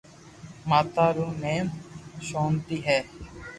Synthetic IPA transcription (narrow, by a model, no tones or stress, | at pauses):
maːt̪aːɾoːneːmʃoːnt̪iːɦɛː